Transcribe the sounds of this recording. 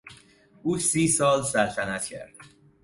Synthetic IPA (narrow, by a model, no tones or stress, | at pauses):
ʔuːsiːsɒːlsælt̪ʰænæt̪cʰæ̰ɾd̪̥